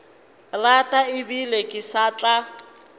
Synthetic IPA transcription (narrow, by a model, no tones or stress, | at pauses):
ratʼaɪbilekʼɪsat͡ɬʼa